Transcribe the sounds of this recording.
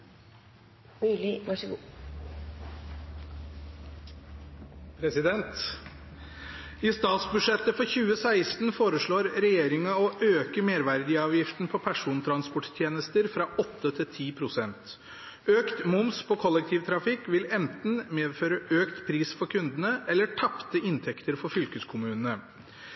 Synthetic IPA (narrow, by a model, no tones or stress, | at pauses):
ʉlɪʋɑʂəɡː | pʰɾɛsɪd̪ɛnt̪ | iːst̪ɑːt̪sbʉʂɛt̪ːəfɔɾçʉːəsæɪst̪n̩foːɾəʂɭoːɾɾɛjeːɾɪŋɑoʔøːkəmeːɾʋæɾd̪ɪɑːʋjɪft̪npʰɔpʰæʂuːnt̪ʰɾɑnspɔʈt̪ʰjeːnəst̪əɾfɾɑʔɔt̪ːət̪ʰɪlt̪ʰiːpʰɾʊsɛnt̪ | øːkt̪mʊmspʰɔkʰɔlːɛk̚t̪ʰiːʋt̪ʰɾɑfɪkːʋɪlɛnt̪n̩meːd̪føːɾəʔøːkt̪pʰɾiːsfɔɾkʰʉnd̪ənəɛlːəʈʰɑpt̪əɪnt̪ʰɛkt̪əɾfɔɾfʏlkəskʰʊmʉːnənə